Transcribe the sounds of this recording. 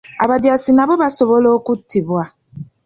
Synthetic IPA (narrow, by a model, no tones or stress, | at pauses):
a̰βadjasinabobasoβolokutibwa